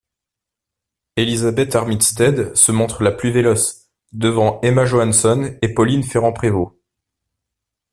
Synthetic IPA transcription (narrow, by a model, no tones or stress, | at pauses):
elizabɛt̪aʁmit̪st̪ɛd̪səmɔ̃t̪χəlaplyvelɔs | d̪əvɑ̃emaʒoansɔnepɔlinfeʁɑ̃pχevo